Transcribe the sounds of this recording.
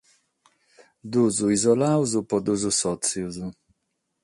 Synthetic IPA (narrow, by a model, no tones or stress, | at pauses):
d̪uzuizɔlawzupɔd̪uzusɔt͡siwzu